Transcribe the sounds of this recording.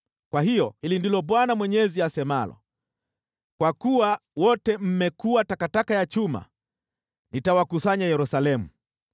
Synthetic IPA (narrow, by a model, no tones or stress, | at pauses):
kwahijɔhilindilɔɓwanamwɛɲɛziasɛmalɔ̰ | kwakuwawɔtɛm̩mɛkuwatakatakajat͡ʃuma̰ | nitawakusaɲajɛɾusalɛmu